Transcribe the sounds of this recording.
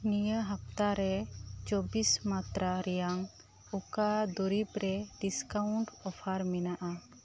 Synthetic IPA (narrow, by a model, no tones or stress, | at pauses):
nijəɦap̚t̪aɾɛt͡ʃɔbismat̪ɾaɾɛjaŋ | ɔkad̪uɾipɾɛɖiskawuɳʈɔpʰaɾmɛnaʔa